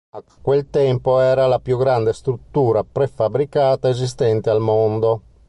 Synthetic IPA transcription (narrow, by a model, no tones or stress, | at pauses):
akːwelt̪ɛmpoɛːɾalapjuɡɾand̪est̪ɾut̪ːuːɾapɾefabɾikaːt̪aezis̬t̪ɛnt̪ealmond̪o